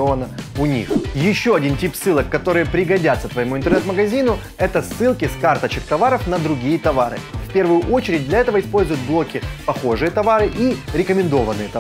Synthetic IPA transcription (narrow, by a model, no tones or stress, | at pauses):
ovənəʊnʲḭxjɪɕːo̞ɐdʲintʲipsːɨlˠəkːɐt̪o̞ɾɨjəpɾʲɪɡɐdʲat̪sət̪vəjɪmuɪnt̪ərnɛt̪məɡɐzʲinʊ | ɛt̪əsːɨlˠkʲɪskart̪ət͡ɕɪk̚t̪ɐvaɾəfnəd̪ɾʊɡʲijət̪ɐvaɾɨ̰fʲpʲe̞rvʊjʊʔo̞t͡ɕɪɾʲɪd̚ʲdlʲɐɛt̪əvəɪspo̞lʲzʊjʊt̪̚blˠo̞kʲɪpɐxo̞ʐɨjət̪ɐvaɾɨʔiɾʲɪkəmʲɪnd̪o̞vənːɨjət̪ɐ